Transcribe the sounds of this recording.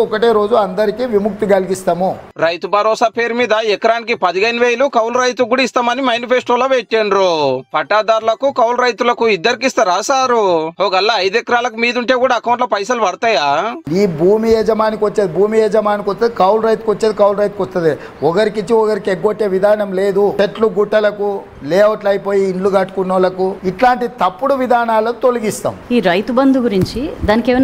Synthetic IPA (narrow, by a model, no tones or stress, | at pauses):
ɔkɐʈeːɾo̞ːd͡ʒuɐnd̪ɐɾikiʋimuk̚t̪iɡɐlɡist̪ɐmuɾɐjt̪ubʱɐɾɔːsaːpe̞ːɾumiːd̪ɐɛkɐɾaːnik̬ipɐd̪iɡɐjnʋeːjɐlukɐwlɾɐjt̪̬uɡuːɽɐist̪aːmɐnimɐjnipʰeːsʈoːloʋeʈːeɳɖɾopɐʈːaːd̪aːɾulɐkukɐwlɾɐjt̪ulɐkuid̪ːɐɾikist̪ɐɾaːsaːɾuɦoːɡɐlːaɐjd̪ɛkɐɾaːlɐkumiːd̪uɳʈe̞ːɡuːɽaːkɐwɳʈlɐpɐjsɐluʋɐɾut̪ɐjaːniːbʱuːmijɛːd͡ʒɐmaːnikʋɐt͡ʃːeːd̪ibʱuːmijɛːd͡ʒɐmaːnikʋɔst̪ud̪ikɐwlɾɐjt̪̚kʋɐt͡ʃːeːd̪ikɐwlɾɐjt̪̚kɔst̪und̪e | ɔkɐɾikit͡ʃːiɔkɐɾikeɡoʈːe̞ːʋid̪ʱaːnɐmle̞ːd̪ut̪eʈluɡuʈːɐlɐku | lɛːʋɐʈlɐjipo̞ːjiːɳluɡɐʈːkunːoːlɐkuiʈlaːɳʈit̪ɐpːuɽuʋid̪ʱaːnaːlɐnut̪o̞luɡist̪a̰ːmiːɾɐjt̪ubɐnd̪uɡuɾiɲt͡ʃid̪aːnikeʋ